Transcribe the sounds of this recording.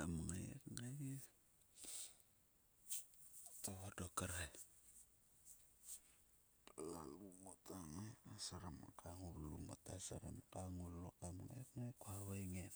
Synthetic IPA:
amŋajḛkŋa | toβodokaɾaj | palalumotaŋajasaɾama̰kʰaŋulṵmo̰tasaɾa̰mkaŋulokamŋa̰etŋajkuaβajŋen

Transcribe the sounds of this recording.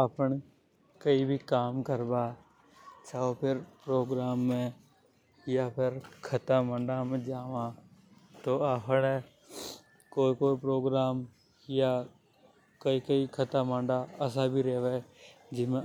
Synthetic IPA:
əpəɳ | kəibʱikaːmkəɾbaː | t͡ʃaopʰɪɾpɾoːɡɾaːmːẽ | japʰɪɾkʰət̪amə̃ɳɖamẽd͡ʒaːʋã | t̪oːaːpʰne | koːikoːipɾoːɡɾaːm | ja | kəikəikʰət̪amə̃ɳɖaɐs̬abʱiɾeːʋed͡ʒɪmẽ

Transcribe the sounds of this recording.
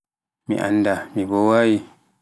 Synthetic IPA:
mḭʔa̰nːdamibɔwaːwi

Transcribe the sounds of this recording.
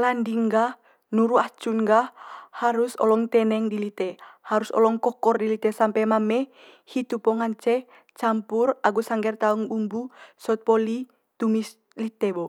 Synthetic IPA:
landiŋɡa | nuɾuat͡ʃuŋɡahaɾusɔ̰lɔŋt̪ɛnɛŋdilit̪ɛhaɾusɔ̰lɔŋkɔkɔrdilit̪ɛsampɛmamɛ | hit̪upɔŋaɲt͡ʃɛ | t͡ʃampuraɡusaŋɡɛrt̪auŋumbusɔt̪̚pɔli | t̪umis | lit̪ɛbɔ

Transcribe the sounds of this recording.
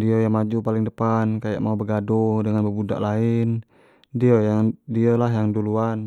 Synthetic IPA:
diəjaŋmad͡ʒupalɪŋdəpankaja̰ʔmaubəɡadodəŋanbəbuda̰ʔlaɪn | diəjaŋdiəlaɦjaŋduluan

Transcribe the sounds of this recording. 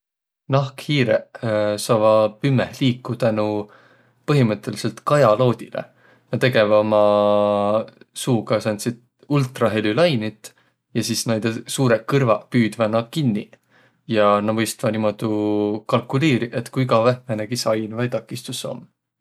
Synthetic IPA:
nɑhkhiːɾesɑvɑpymːehliːkːˑut̪ænu | pɤɦimɤt̪ːˑe̞li̥se̞lt̪kɑjɑlo̞ːd̪̥ʲilḛ | nɑt̪e̞ɡe̞vɑomɑ | suːɡɑsɑnsid̪̥ | ult̪ˑrɑɦe̞lʲylɑjnit̪ˑ | jɑsiːsnejd̪̥esuːɾekɯrvɑpyːd̪̥vɑnɑkinːi | jɑnɑmɤjst̪vɑnimo̞d̪̥ukɑlkːˑuliːɾiʔet̪ːkuiɡɑvæhmeneɡisɑjnvɑjt̪ɑkːˑist̪usːo̰m

